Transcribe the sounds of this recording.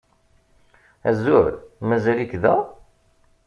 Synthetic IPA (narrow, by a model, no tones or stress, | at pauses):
æzʊɾmæzælikðæ